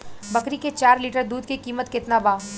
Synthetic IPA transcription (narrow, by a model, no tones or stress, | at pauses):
bɐkɾiket͡ʃaːɾliːʈəɾd̪uːd̪kikiːmət̪kɪt̪nabaː